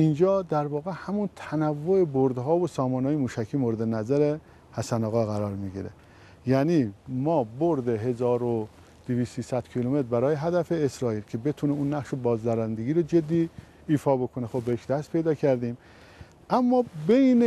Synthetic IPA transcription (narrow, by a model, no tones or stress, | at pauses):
ind͡ʒɒːd̪æɾvɒːɣe̞hæmunt̪ʰænævːoeboɾd̪ɦɒːvosɒːmɒːnɑːjemuːʃækʰiːmoɾed̪enæzæɾe | hæsænɒɣɑːɣæɾɒːɾmiɡḭɾḛ | jæːnimɒːboɾd̪eɦe̞zɒːɾo | d̪̥eviːst̪iːsæd̪cʰiːlumet̪ɾbæɾɒːjeɦæd̪æfeːsɾɒːiːlcʰebe̞t̪ʰuneunːæχʃobɒːzd̪æɾænd̪eɡiːɾod͡ʒe̞d̪ːiː | fɒːbo̞kʰonexobːeeʃd̪æst̪̚pʰe̞jd̪ɒːcʰæɾd̪iːm | ʔæmːɒːbejne